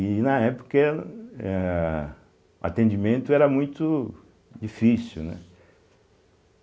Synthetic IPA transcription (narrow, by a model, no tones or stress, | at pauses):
inɐɛpo̥kɐɛ | ʊa̰t̪ẽnd͡ʒimẽnt̪ʊɛɾɐmũj̃t̪ʊ | d͡ʒifisiwnɛ̰